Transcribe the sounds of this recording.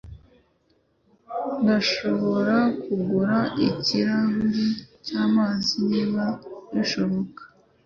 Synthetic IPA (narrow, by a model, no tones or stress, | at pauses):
ndaʃo̞βo̞ɾakuɡuɾaʔḭciɾaβuɾicaːmaːziniːβajiʃoβokḁ